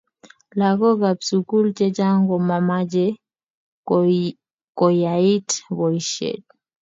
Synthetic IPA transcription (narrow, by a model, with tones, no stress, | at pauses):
la˨kɔ˦ɡa˨bsuku˦lt͡ʃɛ˦d͡ʒa˦ŋɡɔ˨ma˨ma˦d͡ʒɛ˦ | kɔ˨jai˦tβɔ˨iʃɛ̰˨t̚